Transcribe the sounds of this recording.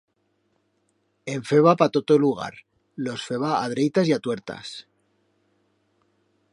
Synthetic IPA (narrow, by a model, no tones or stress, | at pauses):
eɱfe̞β̞apat̪ot̪oluɣ̞a̰ɾ | lo̞sfeβaːðɾejt̪asjat̪we̞ɾt̪a̰s